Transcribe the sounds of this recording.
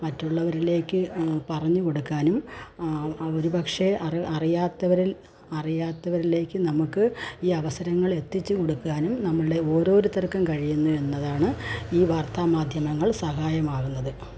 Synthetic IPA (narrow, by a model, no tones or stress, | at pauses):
mɐtːuɭːɐʋɐɾile̞ːkːɨpɐrɐɲːuko̞ɽukːaːnum | o̞ɾubɐkʂeɐriɐrijaːt̪ːɐʋɐɾil | ɐrijaːt̪ːɐʋɐɾile̞ːkːɨnɐmukːɨiːɐʋɐsɐɾɐŋːɐɭe̞t̪ːit͡ɕːɨko̞ɽukːaːnumnɐmːɐɭɨɖe̞o̞ːɾo̞ːɾut̪ɐrkːɐmkɐɻijunːue̞nːɐðaːɳɨiːʋaːrt̪aːmaːd̪ʱjɐmɐŋːɐɭsɐɦaːjɐmaːɣunːɐðɨ